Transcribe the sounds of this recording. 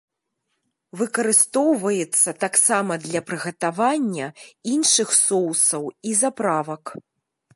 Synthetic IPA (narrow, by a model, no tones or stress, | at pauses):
vɨkɐɾɨst̪ɔwvɐjɛt̪sːɐt̪aksamɐd̪lʲɐpɾɨɣɐt̪avanʲːɐinʂɨxsɔwsɐwizapɾavɐk